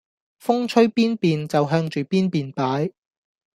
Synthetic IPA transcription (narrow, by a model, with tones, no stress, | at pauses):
fʊ˥ŋt͡ʃʰɵ˥ɥpiː˥npiː˨nt͡sɐ˨wɦœː˧ŋt͡ʃyː˨piː˥npiː˨npaː˨˥j